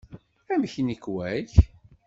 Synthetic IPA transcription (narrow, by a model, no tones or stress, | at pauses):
æmçnəkwæç